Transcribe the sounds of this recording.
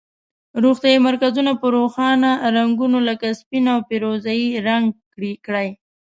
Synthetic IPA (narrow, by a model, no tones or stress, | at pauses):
ɾoxt̪jɑimaɾkazunapəɾoxɑnaɾaŋɡunoləkaspinaawpeɾozajiɾaŋɡkɽikɽaj